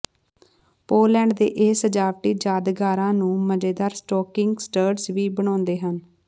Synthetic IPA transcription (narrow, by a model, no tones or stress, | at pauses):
poːlɛ̃ːɳɖd̪ḛːʔeːsəd͡ʒaːʋʈiːd͡ʒaːd̪ɡaːɾãːnũːməd͡ʒeːd̪aːɾsʈɔːkɪŋɡsʈəːɖsʋiːbəɳ̃ãːnd̪eːɦən